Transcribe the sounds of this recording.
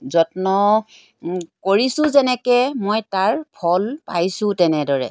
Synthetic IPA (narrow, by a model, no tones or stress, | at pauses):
zɔtnɔ | koɹisʊ̃zɛnɛkɛmojtaɹpʰɔlpajsʊ̃tɛnɛdɔɹɛ̰